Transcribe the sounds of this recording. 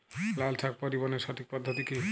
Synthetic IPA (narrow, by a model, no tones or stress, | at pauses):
laltʰak̚pɔɾibɔneɾʃɔʈʰik̚pɔd̪ʱːot̪ike